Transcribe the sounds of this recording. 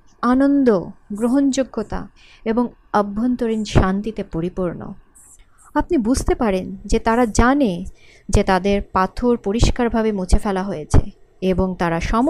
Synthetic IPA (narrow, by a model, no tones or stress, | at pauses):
anond̪oɡɾoɦond͡ʑoɡːot̪a̰ | eboŋ | əbʱːont̪oɾinʃant̪it̪epoɾipuɾno̰ | ap̚nibud͡ʑʱt̪epaɾend͡ʑet̪aɾad͡ʑane | d͡ʑet̪ad̪eɾpat̪ʰoɾpoɾiʃkaɾbʱabemut͡ɕʰefɛlaɦojet͡ɕʰḛeboŋt̪aɾaʃɔm